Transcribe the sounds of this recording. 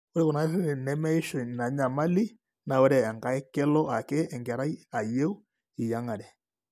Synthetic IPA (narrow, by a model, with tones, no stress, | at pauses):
o˦ɾe˦ku˨na˦se˦ɾe˨nɛ˦mɛ˦i˦ʃo˨ɲna˨ɲa˨ma˦li˦ | na˨o˦ɾɛ˨a˨ŋka˨˦ɛ˦kɛ˦lɔ˦a˨ke˦ɛ˨ŋɡɛ˨ɾa˦i˦a˨je˦u˦ | i˨ja˦ŋa˨ɾɛ˨